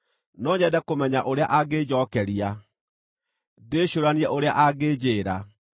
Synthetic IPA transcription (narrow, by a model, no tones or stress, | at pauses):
nɔɲɛdɛkomɛɲaʔoɾeaʔaɡed͡ʑɔːkɛɾia | deɕoɾaniɛʔoɾeaʔaɡed͡ʑeːɾa